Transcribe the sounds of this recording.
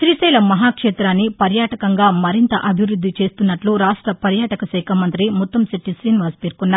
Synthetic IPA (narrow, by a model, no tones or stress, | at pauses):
sɾisɛːlɐmɐɦaːkʂeːt̪ɾaːnːipɐɾjaːʈɐkɐŋɡaːmɐɾint̪ɐʔɐbʱiʋɾud̪ʱːit͡ʃe̞ːst̪unːɐʈluɾaːʂʈɾɐpɐɾjaːʈɐkɐsɛːkʰɐmɐnt̪ɾimut̪ːɐmsiʈːisɾiːniʋɐspeːɾkunːaː